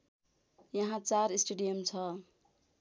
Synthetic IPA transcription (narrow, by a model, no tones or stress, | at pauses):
jʌɦãt͡saɾisʈeɖijʌmt͡sʰʌ